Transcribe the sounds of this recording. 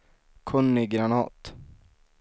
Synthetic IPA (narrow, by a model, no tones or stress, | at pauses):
kʰɵnːɪɡɾanɑ̰ːt̪